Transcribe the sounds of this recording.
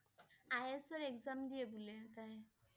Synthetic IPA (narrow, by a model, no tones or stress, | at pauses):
ajesɔɾekzamd̪ijebulet̪ã